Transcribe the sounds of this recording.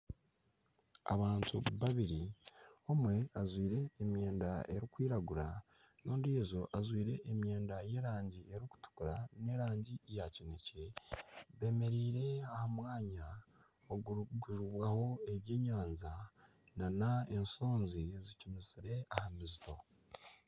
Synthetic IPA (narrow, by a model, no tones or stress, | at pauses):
a̰βaːntʰuβaβiɾio̞mwe̞azwiːɾe̞ːmje̞ːndae̞ɾikwiːɾaɡuɾa | noːndizo̞ʔazwiːɾe̞ʔːmje̞ːndaje̞ːɾaːɲɟie̞ɾiku̥tu̥kuɾane̞ɾaːɲɟijacine̞ce̞βe̞ːme̞ɾiːɾe̞ahamwaːɲa | oɡuɡuʒuβwaho̞e̞βje̞ːɲaːnza | nanae̞nso̞ːnzizicumiziɾe̞ahamizito̞